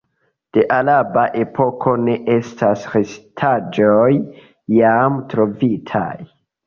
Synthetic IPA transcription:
d̥e̞ʔalabaʔe̞pʰo̞kʰo̞ne̞ʔe̞stʰasɾestʰad͡ʒojː | amtɾo̞vitʰa̰j

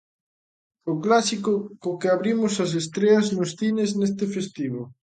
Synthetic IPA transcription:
ʊklasikʊkʊkeaβɾimʊsɐs̬est̪ɾeɐznʊsθineznest̪ɪfest̪iβo

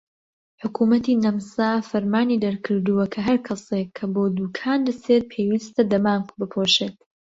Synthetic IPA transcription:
ħʊkʰumɐt̪iːnɐmsaːfɐɾmaːniːd̪ɐɾkʰɨɾd̪uwɐkʰɐɦɐɾkʰɐsekʰːɐboːd̪uːkʰaːnd̪ɐset̪̚pʰewiːst̪ɐd̪ɐmaːnbɨpʰoːʃeːt̪

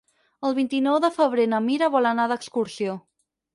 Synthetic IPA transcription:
əlˠβint̪inɔwðəfəβ̞ɾenəmiɾəβɔlənaðəkskuɾsio

